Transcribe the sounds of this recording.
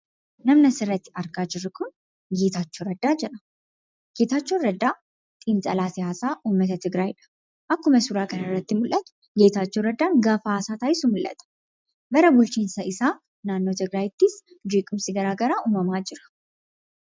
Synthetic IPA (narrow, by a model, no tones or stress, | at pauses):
nɐmnɐsɪrːɐt̪ːɪ̥ɐɾɡaːd͡ʒɪɾːɪkʊn | ɡeːt̪aːt͡ʃːoːɾɐd̪ːaːd͡ʒɛᶑɐ̥ | ɡ̥eːt̪aːt͡ʃːoːɾɐd̪ːaː | t̪ʼint͡sʼɐ̰laːsɪjaːsaːʔuːmːɐt̪ɐt̪ɪɡɾajɪᶑɐ̥ | ʔɐkːʊmɐsʊɾaːkɐnɐrːɐt̪ːɪmʊlʔɐt̪ʊ̥ | ɡe̞ːt̪aːt͡ʃːoːɾɐd̪ːaːnɡaːfɐːsaːt̪aːjsʊmʊlʔɐ̰t̪ɐ̥ | bɐɾɐbʊlt͡ʃiːnsɐɪsaː | naːnːo̞ːt̪ɪɡɾaːjɪt̪ːɪs | d͡ʒiːkʼʊmsɪɡɐɾaːɡɐɾaːʔuːmɐmaːd͡ʒɪɾɐ̥